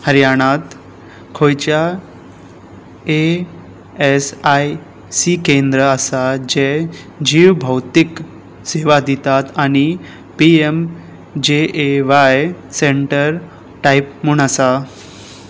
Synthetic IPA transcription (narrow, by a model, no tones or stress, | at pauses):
həɾjaɽ̃at̪ | kʰojt͡ɕa | e | esaj | sikend̪ɾəasad͡ʑe | d͡ʑiʋbʱəwt̪ik | seʋad̪it̪at̪aɽ̃i | piem | d͡ʑeeʋajseɳʈəɾ | ʈajpmuɳasa